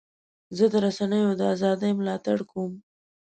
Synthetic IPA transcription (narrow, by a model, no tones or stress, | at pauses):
zəd̪əɾasanəjod̪əazɑd̪əjmlɑt̪aɽkuum